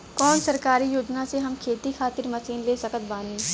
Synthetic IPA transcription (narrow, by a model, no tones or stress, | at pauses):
kɔːnsɐɾkaːɾijoːd͡ʒnaseɦɐmkʰeːt̪ikʰaːt̪ɪɾmɐsiːnleːsɐkət̪̚baːniː